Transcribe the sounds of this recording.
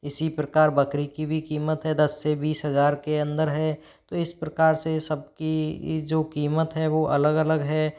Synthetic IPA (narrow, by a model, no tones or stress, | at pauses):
ɪsipɾəkaːɾbɐkɾikibʱikiːmət̪ɦɛd̪ɐsːebiːsɦɐzaːɾkeɐ̃nd̪əɾɦɛː | t̪oːɪspɾɐkaːɾsesɐb̚kid͡ʒoːkiːmət̪ɦɛʋoʔɐləɡɐləɡɦɛː